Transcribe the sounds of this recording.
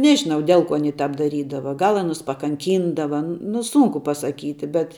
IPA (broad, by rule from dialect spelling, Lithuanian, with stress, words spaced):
ˈnʲæːʒʲɪnɐʊ ˈdʲɛlˠ ˌkuɔ ɐˈnʲiː ˈtɑːp dɐˈrʲiːdɐʋɐ ˈɡɐlˠ ɐˈnʊs pɐkɐŋʲˈkʲiːndɐʋɐ nʊ ˈsʊŋkʊ pɐsɐˈkʲiːtʲɪ bʲɛt